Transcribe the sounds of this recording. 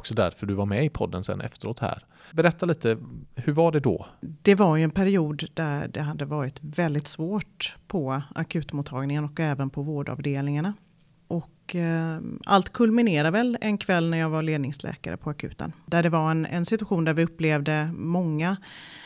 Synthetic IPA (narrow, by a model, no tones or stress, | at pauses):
ɔksɔd̪æ̰ɾfœɾɖɵvaɾmɛɪpʰɔ̰d̪ːənsɛ̰nʔɛ̰ft̪əɾoːt̪hæ̰ɾ | bɛɾɛt̪ʰːaliːt̪əhɵɾvaɖɛd̪ɔ̰d̪̥ɛvaɾjɵɛnpʰæɾɪuːd̪d̪æɾɖɛɦad̪ːəvɑːɾɪt̪vɛld̪ɪt̪svoːʈpʰɔa̰kʰʉ̟ːt̪mʊːt̪ʰːɑːɡnɪŋənɔkɛːvənpʰɔvoːɖɑ̰ːvd̪eːlnɪŋaɳa | ʔɔk | a̰lt̪kʰɵlmɪneːɾavɛlɛnkʰvɛlːnæɾjɑːɡvaɭeːd̪nɪŋslʔɛ̰ːka̰ɾə̰pʰɔakʰʉ̟̰ːt̪ə̰nd̪æɖɛvaɾɛnɛ̰nsɪt̪ɵaɧuːnd̪æɾvɪɵpːleːvd̪əmɔŋːa